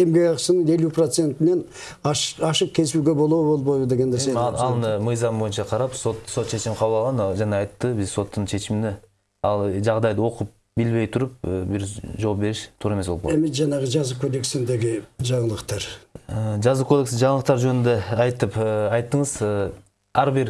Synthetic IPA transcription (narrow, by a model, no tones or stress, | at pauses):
e̞mɡʲeɡɑqə̥sənəŋe̞luprot̪se̞nt̪ɪne̞n | ɑʃɑʃəq̚kʲʰe̞lɪsuɡʲebo̞lˠuwəbo̞lˠbojbəd̪eɡʲe̞nd̪eɾsemɑlˠnəmɨjzɑmbo̞jənʃɑqʰɑɾɑpsot̪so̞t̪ʃʰe̞ʃɪmɪqʰɑbəlˠɑlˠʁɑnʒɑnɑɑjt̪ːəbɪzso̞t̪ːəɴʃʰe̞ʃɪmɪnɪ | ɑlˠʒɑʁd̪ɑjd̪əwo̞qəp̚ | bɪlbe̞jt̪ʰʊɾəp̚əbɪɾʒowɑp̚be̞ɾɪʃt̪ʰuɾɑemswoemɪʒɑnɑʁəʒɑzukʰod̪e̞ksɪnd̪e̞ɡʲɪʒɑɴəlˠəqt̪ɑɾəʒɑzukʰo̞d̪e̞ksʒɑɴlˠəq̚t̪ɑɾʒønɪnd̪eɑjt̪əpːɑjt̪ːəɴəzə | æɾbɪɾ